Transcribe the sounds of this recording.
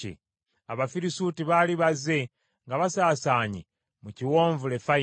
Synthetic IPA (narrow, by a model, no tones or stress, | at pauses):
ḭ | aβafiɾisuːtiβaliβaze̞ | ŋɡaβasaːsaːɲi | muciwo̞ːɱvule̞fa